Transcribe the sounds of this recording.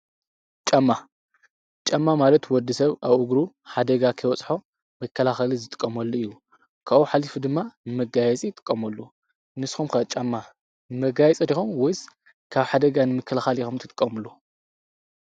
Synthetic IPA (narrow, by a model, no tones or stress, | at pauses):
t͡ʃʼamːa | t͡ʃʼamːamalɐt̪wɔd̪ːɨsɐβaβʔuɡɾu | ħad̪ɐɡakʰɐjwɔt͡sʼħo̞ | mɐkʰːɐlaxɐlizɨt̪ʼɨ̥kʼːɐmɐlːoɨjːu | kʰaʔuħalifud̪ɨmːanɨmɐɡajɛt͡sʼijt̪ʼɨ̥kʼːɐmɐlːu | nɨsxumkɐt͡ʃʼɐmːa | nɨmɐɡajɛt͡sʼiɾixomwɔjs | kʰaβħad̪ɐɡanɨmɨkʰːɐlaxalixomt̪ʰɨt̪ʼɨkʼːɐmulːu